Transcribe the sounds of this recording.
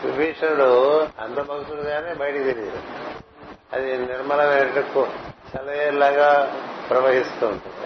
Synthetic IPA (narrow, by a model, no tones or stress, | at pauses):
ʋḭbɛːʂɐnɐɽuɐ̰nd̪ɐbʱɐɡut̪uluɡaːneːbɐjʈit̪iliːɾu | ɐ̰d̪iniɾmɐlɐmɐːɾɐʈɐkːut͡ʃɐlɐjeːlaːɡaːpɾɐʋɐɦist̪uːɳʈund̪i